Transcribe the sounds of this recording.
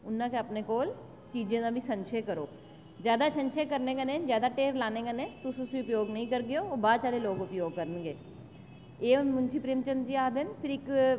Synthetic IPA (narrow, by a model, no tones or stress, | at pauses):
ʊnːãːkeəpneːkoːl | t͡ʃiːd͡ʒẽːd̪ãːbʱiːsə̃nʃeːkəɾo̰ː | zjaːd̪aːsənʃeːkəɾnẽːɡanẽːzjaːd̪aːʈeːɾlaːnẽːɡanẽːt̪ʊsʊsĩʊpjoːɡnəĩːkəɾɡɪjoːbaːt͡ʃaːleːloːɡʊpjoːɡ̚kəɾənɡeː | eːnmʊnt͡ʃʰiːpɾiːmt͡ʃənd̪d͡ʒiːaːd̪ɪnpʰɪɾɪk